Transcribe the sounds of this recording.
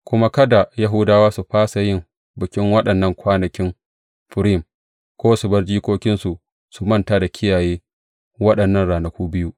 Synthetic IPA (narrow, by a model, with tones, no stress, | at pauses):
kʷʊ˦ma˦kɐ˦da˨jɐ˦ɦʊ˦daː˦waː˦su˨ɸaː˦sa˨jɪ˦m | bɪ˨kʲɪ˦ŋwɐ˦ɗɐ˨nːɐ˦˨ŋkʷaː˦nɐ˨kʲɪ˦n | ɸɪ˨ɾɪ˦˨m | kʷoː˦sʊ˨bɐ˦rd͡ʒiː˦kʷoː˦kʲɪ˦nsu˨ | su˨mɐ˦nta˦da˨kʲɪ˦jaː˨jeː˦ | wɐ˦ɗɐ˨nːɐ˦˨nɽaː˨nɐ˨kʷuː˦bɪ˦ju˦ʔ